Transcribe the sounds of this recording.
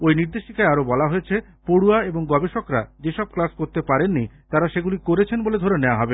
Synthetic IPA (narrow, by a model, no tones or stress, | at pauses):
ojniɾd̪eʃikaeaɾobɔlaɦojet͡ɕʰe | poɽuaeboŋɡɔbeʃokɾa̰d͡ʑeʃɔb̚klaskoɾt̪epaɾenːit̪aɾaʃeɡulikoɾet͡ɕʰenboled̪ʱoɾenɛaɦɔbe